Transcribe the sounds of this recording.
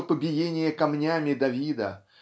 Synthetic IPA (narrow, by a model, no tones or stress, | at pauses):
əpəbʲɪjenʲɪjəkɐmnʲamʲɪd̪ɐvʲid̪ə̰